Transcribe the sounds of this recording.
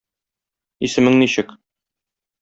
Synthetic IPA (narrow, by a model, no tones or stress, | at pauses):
isɘ̆mɘŋniɕɘk